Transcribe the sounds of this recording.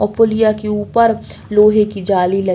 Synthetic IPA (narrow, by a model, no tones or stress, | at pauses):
ɔːpoːlijakeuːpəɾloːɦekid͡ʒaːlilɐ